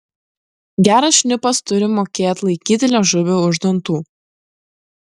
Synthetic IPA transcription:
ɡʲæːɾɐsʃʲnʲɪpɐst̪ʊɾʲɪmoːkʲeːt̪ʲlˠɐɪkʲiːt̪ʲɪlʲɛʒʊʋʲoːʊʒd̪ɔnt̪uː

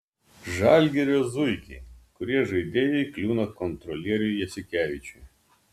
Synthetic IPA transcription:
ʒɑˑlʲɡʲɛɾʲoːzʊɪkʲɛkʊɾʲiɛʒɐɪd̪ʲeːjɛɪklʲuːnɐkɔnt̪ɾɔlʲiɛɾʲʊjjɛsʲɪkʲæːʋʲɪt͡ʃʲʊj

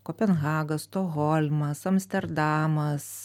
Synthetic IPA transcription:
koːpʲɛnɣɑːɡɐst̪oɣɔlʲmɐsɐmsʲt̪ʲɛɾd̪ɑːmɐs

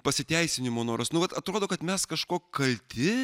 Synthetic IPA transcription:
pɐsʲɪt̪ʲɛɪsʲɪnʲɪmoːnoːɾɐsnʊʋɐt̪ɐt̪ɾoːd̪oːkɐt̪mʲɛskɐʃkoːkkɐlʲt̪ʲʰɪ

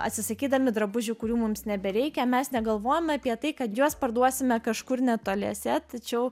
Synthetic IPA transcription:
ɐ̰t̪ʲsʲɪsɐkʲiːd̪ɐmʲɪd̪ɾɐbʊʒʲʊkʊɾʲuːmʊmsnʲɛbʲɛɾʲɛɪkʲɛmʲɛsnʲɛɡɐlˠʋoːjɛmʲɐːpʲiɛt̪ɐɪkɐt̪juɔspɐrd̪uɔsʲɪmʲɛkɐʃkʊɾnʲɛt̪oːlʲiɛsʲɛt̪ɐt͡ʃʲɛʊ

